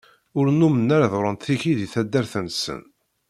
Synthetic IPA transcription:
ʊɾnumənːæɾðʊɾˤənt̪θiçiðiθæd̪ːæɾθənsə̰n

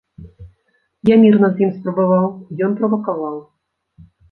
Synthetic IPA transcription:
jamʲirnɐzʲjimspɾɔbɐvɑlˠjɔnpɾɔvɐkɐvɑlˠ

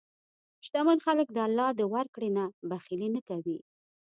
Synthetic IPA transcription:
ʃt̪amanxalək̚d̪əalːɑd̪əwaɾkɽenabaxilenakawi

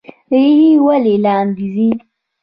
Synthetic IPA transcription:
ɾihiwaleland̪izi

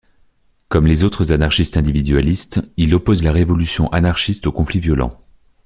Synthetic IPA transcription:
kɔmlezot̪χəzanaʁʃist̪ɛ̃d̪ivid̪ɥalist̪ilɔpozlaʁevɔlysjɔ̃ʔanaʁʃist̪okɔ̃flivjɔlɑ̰̃

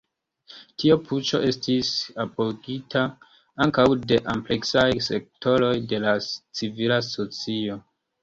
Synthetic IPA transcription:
tʰiopʰut͡ʃo̞̰ʔe̞stʰisapoɡitʰa | aŋkawde̞ʔample̞ksajse̞k̚to̞ɾo̞jde̞lat͡sivilaso̞t͡sio̞

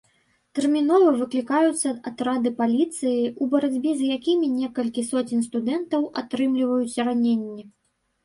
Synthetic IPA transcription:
t̪ɛrmʲinɔvɐvɨklʲikajut̪sːɐat̪ɾad̪ɨpalʲit̪sɨjiubɐɾad͡zʲbʲizjakʲimʲinʲɛkɐlʲkʲisɔt͡sʲinʲst̪ud̪ɛnt̪ɐwʔat̪ɾɨmlʲivɐjut͡sʲɐɾanʲenʲːɛ

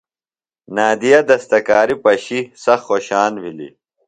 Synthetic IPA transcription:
naːd̪ijɐd̪ɐst̪ɐkaːɾipɐɕisɐxxoːɕaːnwilḭ

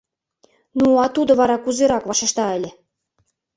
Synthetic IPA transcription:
nuɑt̪ud̪ŏβɑɾɑkuzeɾɑkβɑʃĕʃt̪ɑɘ̆lʲĕ

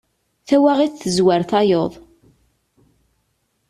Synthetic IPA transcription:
θæwaʁiθθəzwaɾθɑjoðˤ

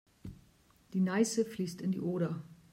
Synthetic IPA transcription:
d̥iːnaɪsəfliːstɪndḭːʔoːɾɐ

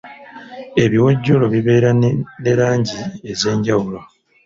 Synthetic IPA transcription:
e̞βiwoɟːo̞lo̞βiβe̞ːɾane̞ɾaːɲɟie̞ze̞ːɲɟawulo

